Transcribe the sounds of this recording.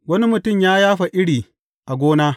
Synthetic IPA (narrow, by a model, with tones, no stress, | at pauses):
wɐ˦ni˦mʊ˨tʊ˦˨mjaː˦jaː˦ɸa˨ʔɪ˦ɽiː˨ | ʔa˨ɡʷoː˦naː˦